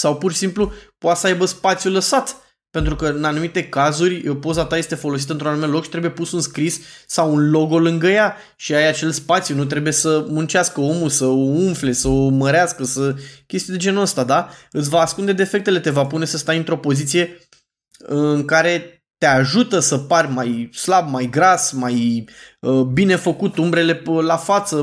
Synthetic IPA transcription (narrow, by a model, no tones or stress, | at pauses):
sawpuɾʃisimplupoat̪səajbəspat̪sjuləsat̪ | pe̞nt̪ɾukəɨnanumit̪e̞kazurʲpo̞zat̪aje̞st̪e̞fo̞lo̞s̬it̪əɨnt̪ɾoanumelo̞kʃi̥t̪ɾebuje̞pusunskɾisːawunlo̞ɡo̞lɨŋɡəja | ʃiajat͡ʃe̞lspat̪sjunut̪̬ɾe̞buje̞səmunt͡ʃaskəo̞musəouɱfle̞səoməɾeaskəsəkʲe̞st̪ijed̪e̞d͡ʒe̞nuəst̪ad̪aɨt̪sʲvaːskund̪e̞d̪eːfe̞kt̪e̞le̞t̪e̞vapune̞səst̪ajɨnt̪ɾo̞po̞zit̪sije̞ | ɨŋkaɾe̞ | t̪e̞aʒut̪əsəparʲmajslabmajɡɾasmaj | əbine̞fəkut̪umbɾe̞le̞lafat̪sə